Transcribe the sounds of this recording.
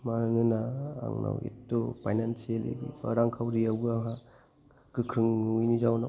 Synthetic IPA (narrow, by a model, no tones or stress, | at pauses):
maɾnɯna̰ːŋna̰wḭtːɔpʰajnansielḭɡiba̰ɾaŋkʰawɾiawbɯaɦa | kɯkʰɾɯŋnujnizawna